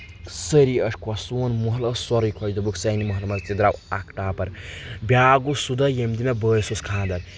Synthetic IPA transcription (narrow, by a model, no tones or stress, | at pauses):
səɾiɐʂkʰɐsuːnmuɦlɐsɔɾikʰɐjd̪ubuksɐjnimuɦlmɐzt̪id̪ɾawakʰʈaːpɐɾbʲjaːɡusud̪ɐjemd̪inɐbəːjsuskʰãːnd̪ɐɾ